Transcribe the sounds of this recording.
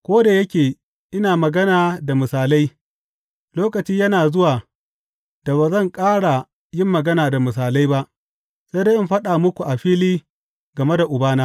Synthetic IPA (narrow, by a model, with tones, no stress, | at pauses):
kʷoː˦da˨jɐ˦kʲeː˨ | ʔɪ˦naː˨mɐ˨ɡɐ˦naː˨da˨mʊ˨saː˨la˦j | loː˦kɐ˨t͡ʃiː˦jɐ˦naː˨zʊ˦waː˨ | da˨βaː˨zɐ˦˨ŋkʼaː˦ɽa˨ | jɪ˦mːɐ˨ɡɐ˦naː˨da˨mʊ˨s̬aː˨la˦jba˦ʔ | sa˦jde˦ʔɪ˦mɸɐ˦ɗaː˨mʊ˦kʷu˨ʔa˨ɸiː˦liː˦ | ɡɐ˨me˦da˨ʔʊ˨baː˦naː˦